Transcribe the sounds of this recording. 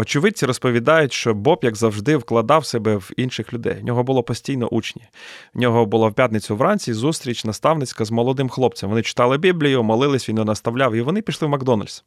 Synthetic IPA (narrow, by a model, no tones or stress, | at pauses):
ɔt͡ʃɪʋɪt͡sʲiɾɔspɔʋʲid̪ɑjʊtʲʃt͡ʃɔbɔpjɐɡzɐwʒd̪ɪwklˠɐd̪ɑwsɛbɛwinʃɪxlʲʊd̪ɛ̰jnʲɔɦɔbʊlˠɔpɔsʲtʲijnɔ̰ʔut͡ʃnʲinʲɔɦɔbʊlˠɑwpʲjat̪nɪt͡sʲʊʋɾɑnʲt͡sʲizust̪ɾʲit͡ʃʲnɐst̪ɑwnɪt͡sʲkɐzmɔlˠɔd̪ɪmxlˠɔp̚t͡sʲɐmʋɔnɪt͡ʃɪ̥t̪ɑlˠɪbʲiblʲijʊmɔlˠɪlˠɪsʲʋʲinjɔnɐst̪ɐwlʲɑwiʋɔnɪpʲiʃlˠɪwmɐɡd̪ɔnɐ̰lʲsʲ